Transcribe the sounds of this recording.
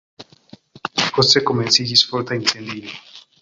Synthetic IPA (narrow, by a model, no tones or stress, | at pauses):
xosekomensiʝisfoɾt̪ainsend̪ina